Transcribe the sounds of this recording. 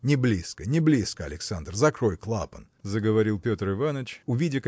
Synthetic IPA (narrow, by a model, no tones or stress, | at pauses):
nʲɪblʲiskənʲɪblʲiskəɐ̰lʲɪksand̪rzɐkɾo̞jklˠa̰pən | zəɡəvɐɾʲilˠpʲot̪rɨvanət͡ɕʊvʲidʲɪk